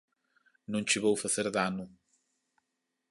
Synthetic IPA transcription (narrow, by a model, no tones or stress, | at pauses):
nõɲt͡ʃɨβowfɐθeɾðanu